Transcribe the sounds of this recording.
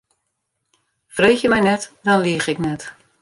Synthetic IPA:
freːxjəmɛjnɛtdɔnliəxɪknɛt

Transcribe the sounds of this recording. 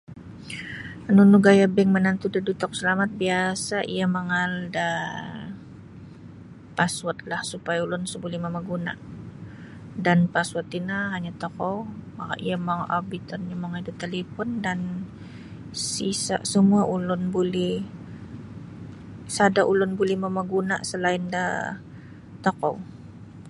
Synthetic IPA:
ənunuɡajabɛŋmənant̪udədut̪ɔk̚səlamat̪̚biasaʔḭjaməŋalda | paswat̪̚lahsupajaulʊnsəbulihmaməɡuna̰ʔ | danpaswat̪inaɦaɲat̪ɔkɔmaka̰ʔiamaŋa̰bit̪ɔnɲamaŋaldat̪elefɔndan | sisa̰ʔsəmuaʔulʊnbulɛh | sadaʔulʊnbulɛhməmaɡuna̰ʔsəlaɪnda | t̪okɔ̰w

